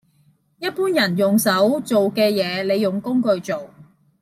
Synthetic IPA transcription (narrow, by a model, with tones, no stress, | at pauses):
jɐ˥t̚puː˥njɐ˨˩njʊ˨˩ŋsɐ˨˥wt͡so˨wkɛː˧jɛː˨˧le˨˧jːʊ˨˩ŋkʊ˥ŋkɵ˧ɥt͡so˨w